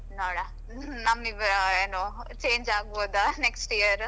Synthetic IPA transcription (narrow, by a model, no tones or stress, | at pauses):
noːɽɐ | nɐmːiʋɐɾɐeːnoː | t͡ʃe̞ːɲd͡ʒaːɡboːd̪aneksʈiɐɾ